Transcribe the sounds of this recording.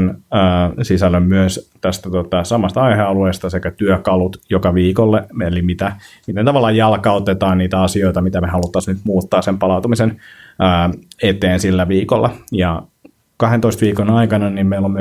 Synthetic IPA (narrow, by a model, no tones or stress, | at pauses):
nəːsisælːømmyøst̪æst̪æt̪ot̪ɑsɑmɑst̪ɑɑiheɑlueːst̪ɑsekæt̪yøkɑlut̪jokɑʋiːkolːeelimit̪æmit̪ent̪ɑʋɑlːɑjjɑlkɑot̪et̪ɑːnniːt̪æɑsioit̪ɑmit̪æmehɑlut̪ːɑsnyt̪muːt̪ːɑːssempɑlɑˑut̪umisenəːet̪eːnsilːæʋiːkolːɑjɑ | kɑhent̪oist̪ʋiːkonɑikɑnɑniːmmeilom